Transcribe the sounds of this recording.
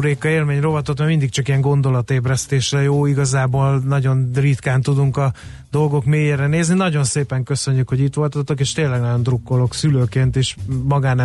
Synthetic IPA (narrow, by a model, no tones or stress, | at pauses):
ɾeːkːɒeːlmeːɲro̞vɒt̪ot̪mɛmind̪ik̚t͡ʃɒkijɛŋɡo̞nd̪o̞lɒt̪eːbrɛst̪eːʃrɛjoːiɡɒzaːboːlnɒɟo̞nrit̪kaːnt̪ud̪uŋkɒ | d̪o̞lɡo̞kmeːjeɾɛneːzninɒɟo̞nseːpɛŋkø̞sø̞ɲːykho̞ɟit̪ʋo̞lt̪ɑt̪ok̬eːʃt̪eːnlɛɡnɒɟo̞nd̪rukːo̞lo̞ksyløːkeːnt̪eːʃmɒɡaːnɛ